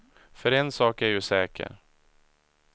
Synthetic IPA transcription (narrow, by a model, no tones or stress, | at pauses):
fœɾɛnsɑːkæɾjɵsɛːkʰə̰ɾ